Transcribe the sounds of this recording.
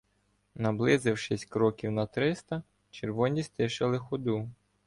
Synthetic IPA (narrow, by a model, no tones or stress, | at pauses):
nɐblˠɪzɪwʃɪsʲkɾɔkʲiwnɐt̪ɾɪst̪ɐ | t͡ʃeɾʋɔnʲist̪ɪʃɪlˠɪxɔd̪u